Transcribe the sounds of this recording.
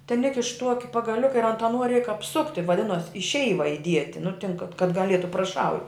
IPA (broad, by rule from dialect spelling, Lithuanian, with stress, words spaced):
tʲɛn ˈɪkʲɪʃ ˈtuɔkʲɪ pɐɡɐˈlʲʊkɐ ɪr ɐnt ɐˈnuɔ rʲɛɪk ɐpˈsʊktʲɪ ʋɐˈdʲɪnuɔs ɪ ˈʃʲɛɪʋɐ ɪˈdʲiɛtʲɪ nʊ tʲɪn kɐt kɐt ɡɐˈlʲiɛtʊ prɐˈʃɐʊ